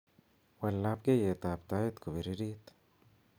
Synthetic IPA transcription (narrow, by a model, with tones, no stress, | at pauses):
wa˨lːa˧p̚ɡe˦je˨t̪a˨p̚t̪a˧˦i˦t̪ko˨bi˨ɾi˦ɾi˦t̪